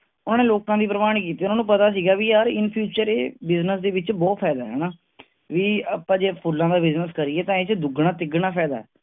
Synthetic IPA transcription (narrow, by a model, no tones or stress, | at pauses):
ʊnãːneːloːkãːd̪iːpɾəmaːñikiːt̪iːʊnaːnũːpət̪aːs̬iːɡaːʋiːjaːɾɪnpʰjuːt͡ʃəɾeːbɪznəsd̪eːʋɪt͡ʃbɔːt̪pʰɛːd̪aːɦɛ̰ːnaː | ʋiːəpãːd͡ʒeːpʰʊlːãːd̪aːbɪznəskəɾiɛːt̪ãːeːt͡ʃd̪ʊɡɳaːt̪ɪɡɳaːpʰɛːd̪aːɦɛ̰ː